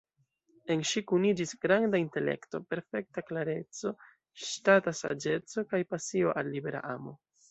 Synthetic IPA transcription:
e̞nʃikunid͡ʒisɡ̥ɾandainte̞le̞̰kto̞pe̞ɾfe̞k̚taklaɾe̞t͡so̞ | ʃtatasa̰d͡ʒe̞t͡so̞kajpasio̞ʔalːibe̞ɾa̰ʔamo̞

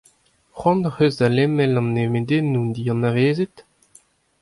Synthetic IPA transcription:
χwɑ̃nχøzdalɛmɛlɑ̃nːemed̪enːund̪iɑ̃naveːzet̪

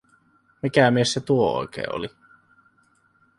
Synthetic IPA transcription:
mikæmiesset̪uoo̰ˑjkḛːo̰li

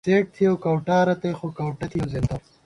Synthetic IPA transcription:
t͡seːʈ̚t̪ʰiɐwkɐwʈaːɾɐt̪ejxokɐwʈɐt̪ʰijɐwzent̪ɐ

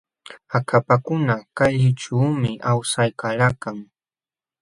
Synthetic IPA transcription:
akʰapakʊnakaʎɪʈ͡ʂuːmɪʔawsajkalakaŋ

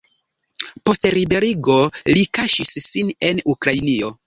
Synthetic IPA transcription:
po̞stɾibe̞ɾiɡo̞likaʃisːine̞nukɾajnio̞

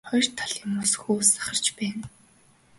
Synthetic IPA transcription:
χɔjr̥t̪ʰaɮɪmːʊsxuːsḁχə̆r̥t͡ɕpæːn

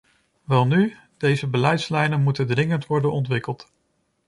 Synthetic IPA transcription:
ʋɛlˠny | d̥ejzəbəlɛjtslɛjnənmutədrɪŋəntʋɔɹdənɔntʋɪkəlˠt

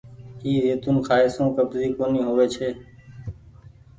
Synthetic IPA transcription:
iːɾeːt̪ʊnkʰaːeːsõːkəbziːkoːniːɦoːʋeːt͡ʃʰeː

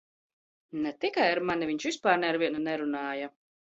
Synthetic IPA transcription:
nɛt̪ikajaɾmaniviɲt͡ʃʃvispaːɾnɛaɾviɛnunɛɾunaːja

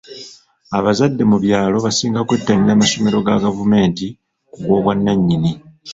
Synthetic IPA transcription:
aβazadːe̞muβjaːlo̞βasiːŋɡakwetːaɲiɾaːmaso̞me̞ɾo̞ɡaɡavume̞ːnti | koɡwo̞ːβwanːaɲːini

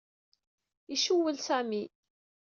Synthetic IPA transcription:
iʃuwːəlsæmi

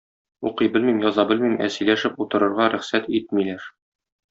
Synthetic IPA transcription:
uqɤjbɘlmimjɒzɑbɘlmimæ̰sɘ̆jlæʃɘput̪ɤ̆ɾɤ̆ɾʁɑɾæχsæt̪it̪̚milæɾ

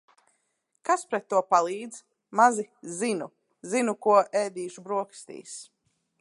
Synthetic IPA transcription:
kaspɾɛt̪ːuɔpalˠiːd̪z̥ | mazizinu | zinukuɔʔɛːd̪iːʃubɾuɔkst̪ḭːs

